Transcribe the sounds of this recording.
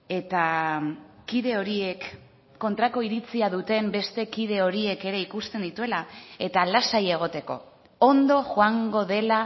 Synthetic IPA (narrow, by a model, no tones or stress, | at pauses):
e̞t̪a | kiðe̞o̞ɾie̞kː | o̞nt̪ɾako̞iɾit͡siaðut̪e̞mbe̞st̪e̞kið̞e̞o̞ɾie̞ke̞ɾe̞ikust̪e̞nd̪it̪ue̞lae̞t̪alasaje̞ɣ̞o̞t̪e̞ko̞̰ | ond̪o̞xoaŋɡo̞ðe̞la